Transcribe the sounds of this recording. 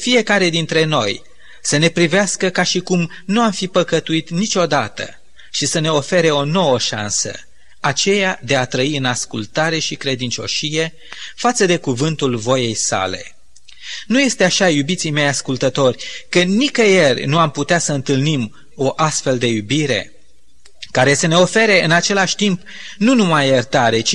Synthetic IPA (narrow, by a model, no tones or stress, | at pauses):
fije̞kaɾe̞d̪int̪ɾe̞no̞j | səne̞pɾiveaskəkaʃikum | nuamfipəkət̪uit̪nit͡ʃʲo̞d̪at̪ə̰ | ʃisəne̞o̞fe̞ɾe̞o̞no̞wəʃa̰nsə̰ | at͡ʃe̞jad̪e̞at̪ɾəiɨnaskult̪aɾe̞ʃikɾe̞d̪int͡ʃo̞̰ʃije̞ | fat̪səd̪e̞kuvɨnt̪ulvo̞je̞jsa̰le̞̰ | nuje̞st̪eaʃajubit̪sijme̞jaskult̪ət̪o̞rʲkənikəjerʲnuamput̪easəɨnt̪ɨlnim | o̞ʔast̪fe̞ld̪e̞jubiɾe̞̰ | kaɾe̞səne̞o̞fe̞ɾe̞ɨnat͡ʃe̞laʃʲt̪imp | nunumajert̪aɾe̞t͡ʃi